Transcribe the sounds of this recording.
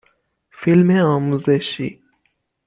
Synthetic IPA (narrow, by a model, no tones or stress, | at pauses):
filmẽɑmuzeʃḭ